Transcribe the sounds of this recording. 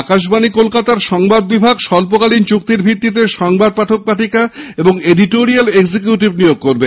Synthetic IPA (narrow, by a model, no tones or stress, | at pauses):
akaʃ̬banikolkat̪aɾʃɔŋbad̪̚bibʱaɡʃɔlp̬okalint͡ɕuk̚t̪iɾbʱit̪ːit̪̬eʃɔŋbad̪̚paʈʰok̚paʈʰikaeboŋeɖiʈoɾialeɡsikjuʈibnijoɡ̚koɾbe